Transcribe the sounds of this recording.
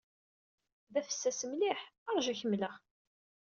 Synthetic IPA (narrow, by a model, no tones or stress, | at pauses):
ðæfə̥sːæsəmliħɑɾˤʒæçəmːləχ